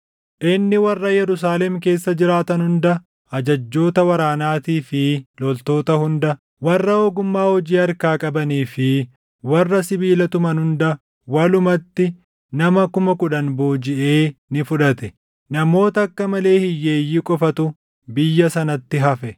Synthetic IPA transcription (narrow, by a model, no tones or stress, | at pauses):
ʔɪnːɪwɐrːɐjɛɾʊs̬aːlɛmk̬e̞ːsːɐd͡ʒɪɾaːt̪ɐnhʊnd̪ɐ | ɐd͡ʒɐd͡ʒːo̞ːt̪ɐwɐɾaːnaːt̪iːfɪlɔlt̪o̞ːt̪ɐhʊnd̪ɐ | wɐrːɐoːɡʊmːaːhɔd͡ʒiːɐɾkaːkʼɐbɐniːfɪ | wɐrːɐsɪbiːlɐt̪ʊmɐnhʊnd̪ɐ | wɐlʊmɐt̪ːɪ | nɐmɐkʊmɐkʊᶑɐnboːd͡ʒɪʔe̞ːnɪfʊᶑɐt̪ɛ | nɐmo̞ːt̪ɐɐkːɐmɐle̞ːhɪjːeːjːikʼɔfɐt̪ʊ | bɪjːɐsɐnɐt̪ːɪɦɐfɛ